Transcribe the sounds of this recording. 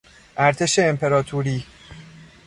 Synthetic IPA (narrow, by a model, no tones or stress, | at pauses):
ʔæɾt̪ʰe̞ʃe̞ːmpʰe̞ɾɒːt̪ʰuːɾiː